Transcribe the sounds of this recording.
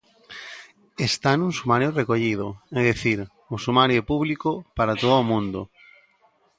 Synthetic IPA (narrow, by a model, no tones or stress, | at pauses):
est̪anũŋsumaɾjorekoʎið̞ʊɛðiθiɾ | osumaɾjopuβlikopaɾat̪oðʊːmũnd̪ʊ